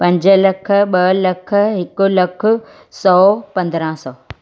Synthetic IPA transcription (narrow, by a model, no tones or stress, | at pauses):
pɐ̃ɲd͡ʑə̆lɐkʰə̆ɓɐlɐkʰə̆ɦɪkʊ̆lɐkʰʊ̆ | sɔːpɐ̃nd̪ɾə̃sɔː